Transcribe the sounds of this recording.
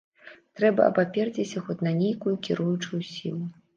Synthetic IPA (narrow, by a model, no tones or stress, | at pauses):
t̪ɾɛbɐ̰ʔɐ̰papʲɛrd͡zʲisʲɐxɔt̪ʲnɐnʲejkujukʲiɾujut͡ʂujusʲḭlˠu